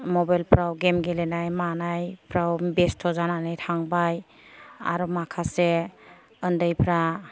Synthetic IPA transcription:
mɔbajlpʰɾawɡemɡelenajmanajpʰɾawbestʰːɔzananɯjtʰaŋbaj | a̰ɾumakʰase | əndəjpʰɾa

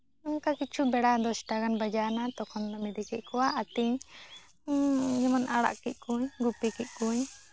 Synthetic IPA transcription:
ɔŋkakit͡ʃʰubɛɽad̪ɔsʈaɡanbad͡ʒanat̪ɔkʰɔnd̪ɔmɛd̪ikɛʔ̚kɔwaʔat̪iɲ | ɲɛmɔnʔaɽa̰ʔkɛc̪̚ˀkuɲɡupikic̪̚ˀkuɲ

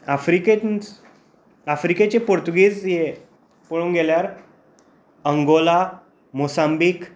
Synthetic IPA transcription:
afɾike | afɾiket͡ɕepoɾt̪uɡiːd͡zje | pəɭuːnɡeljaɾ | əŋɡola | mosambiːk

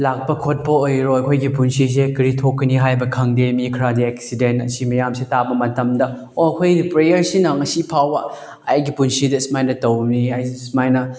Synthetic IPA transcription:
lak̚pɐkʰot̚pɐojɾojɐkʰojɡipunsis̬ekiɾitʰokːɐniɦajbɐkʰɐŋdemikʰɾadiek̚sidentɐ̰simɐjamsitabɐmɐtɐmdɐ | oɐkʰojdpɾejɐɾsinɐŋɐsipʰawbɐ | ajɡipunsidɐsmajnɐtɐwniajsmajnɐ

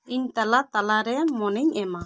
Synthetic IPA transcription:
iɲt̪alat̪alaɾɛmɔnɛɲɛma

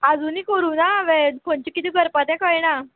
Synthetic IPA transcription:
ad͡zuːnikəɾuːnaʋepɔnt͡ɕikit̪iːɡəɾpat̪jɛ̃kəjna

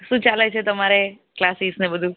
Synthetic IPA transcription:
ʃũt͡ʃalet͡ʃʰet̪əmaɾe | klasisnebəd̪ʱu

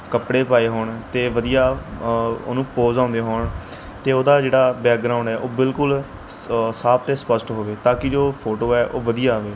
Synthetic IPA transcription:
kəpɽeːpaːeːɦoːɳt̪eːʋəd̪ijaː | o̰ːnũːpoːzãːnd̪eːɦoːɳ | t̪eːoːd̪aːd͡ʒeːɽaːbɛːk̚ɡɾaːʊ̃ɳɖɛːʔoːbɪlkʊl | saːp̚t̪eːspəsʈɦoːʋeːt̪ãːkɪd͡ʒoːpʰoːʈoːɛːʔoːʋəd̪ijaːʋeː

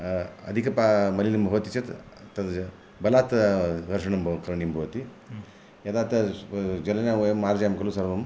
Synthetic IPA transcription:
ɐ̰d̪ʱikɐpamɐlinɐmbʱɐʋɐt̪it͡ʃɐt̪t̪ɐ | bɐlaːt̪ʋɐɾʂɐɳɐmkɐɾɐɳimbʱɐʋɐt̪i | jɐd̪aːt̪ɐd͡ʒɐlɐnajɐmːaːɾd͡ʒaːjɐmkɐlusɐɾbɐm

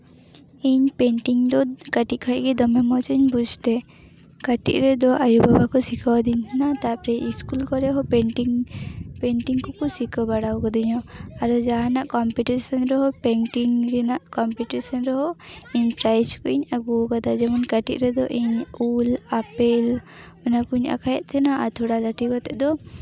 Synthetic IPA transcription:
iɲpeɳʈiŋd̪ɔkaʈiʔkʰɔʔɡɛd̪ɔmɛmɔt͡ʃɔɲbud͡ʒʱt̪ɛ | kaʈḭʔɾɛd̪ɔʔajubʱabakɔsikʰawd̪innat̪apɾɛʔiskulkɔɾɛɦɔɛnʈiŋpeɳʈiŋkɔkɔsikɔbaɽawkɔd̪iɲɔaɾɔd͡ʒaɦanaʔkɔmpiʈisɔnɾɔɦɔpɛnʈiŋɾɛnaʔkɔmpiʈisɔnɾɔɦɔiɲpɾajskɔiɲaɡuwkad̪ad͡ʒɛmɔnkaʈḭʔɾɛd̪ɔʔiɲulapɛl | ɔnakuɲa̰kʰajɛʔ̪t̪ʰɛnaʔat̪ʰɔɽalaʈikɔt̪ɛʔd̪ɔ

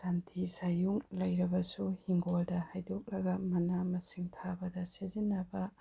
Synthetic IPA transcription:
santʰisajuŋlɐjɾɐbɐsuhiŋɡoldɐhajdok̚lɐɡɐmɐnamɐsiŋtʰabɐdɐsizinːɐbɐ

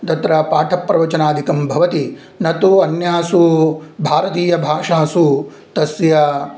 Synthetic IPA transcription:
t̪ɐt̪ɾɐpaːʈʰɐpːɾɐʋɐt͡ʃɐnaːd̪ʱikɐmbʱɐʋɐt̪i | nɐt̪uɐnjaːsubʱaːɾɐt̪iːjɐbʱaːʂaːsu | t̪ɐsjɐ

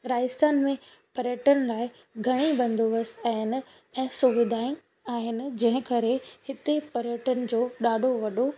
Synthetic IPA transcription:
ɾaːst̪aːnmẽpɐɾjəʈənɪ̆laːɪ | ɡʱɐɽ̃ibɐ̃nd̪oʋəsaːɦɪnɪ̆ | ɛ̃ːsʊʋɪd̪ʱaːĩ | aːɦɪnɪ̆d͡ʑɐ̃ɦɪ̃kɐɾehɪt̪epɐɾjəʈənɪ̆d͡ʑoːɗaːɖʱoʋɐɗo

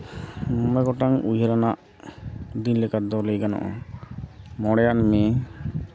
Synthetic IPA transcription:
mɔmɛɡɔʈaŋujɦɛɾanaʔ | d̪inlɛkad̪ɔlejɡanɔ̰ʔɔ̰ | mɔɽɛjanme

